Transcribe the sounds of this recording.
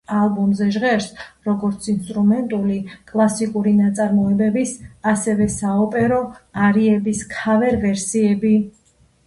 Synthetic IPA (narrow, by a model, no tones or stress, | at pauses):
alˠbɔmzɛʒʁɛɾsɾɔɡɔɾt̪sʰinst̪ʼɾumɛnt̪ʼulikʼlˠasikʼuɾinat̪sʼaɾmɔɛbɛbisasɛvɛsaɔpʼɛɾɔaɾiɛbiskʰavɛɾvɛɾsiɛbi